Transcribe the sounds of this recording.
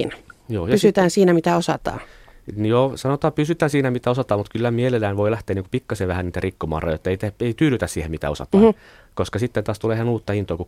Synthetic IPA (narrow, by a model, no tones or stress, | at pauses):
njoːjɑysyt̪æːnsiːnæmit̪æosɑt̪ɑ̰ːnjoːsɑnot̪ɑːpysyt̪æːnsiːnæmit̪æosɑt̪ɑːmut̪kylːæmielelːæinʋoilæht̪eːniːŋku̥pikːɑseːʋæhænniːt̪ærikːomɑ̰ːrɑ̰jojet̪ːeit̪eeit̪yːlyt̪æssiːhemmit̪æ̰osɑ̰t̪ɑː | koskɑsit̪ːent̪ɑːst̪uleːihænuːt̪ːɑhint̪oːku